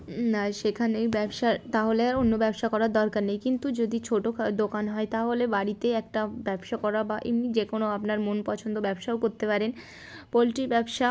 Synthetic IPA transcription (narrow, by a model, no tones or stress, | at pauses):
aʃekʰanejbɛbʃaɾt̪aɦoleaonːobɛbʃakɔɾaɾd̪ɔɾkaɾnejkint̪ud͡ʑod̪it͡ɕʰoʈod̪okanɦɔet̪aɦolebaɾit̪eɛk̚ʈabɛbʃakɔɾabaʔimnid͡ʑekonoapnaɾmonpɔt͡ɕʰond̪obɛbʃaokoɾt̪epaɾen | polʈibɛbʃa